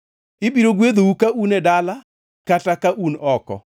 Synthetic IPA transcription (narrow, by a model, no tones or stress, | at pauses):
ɪbiɾoɡwed̪owukaunɛdala | katakaʔunɔkɔ̰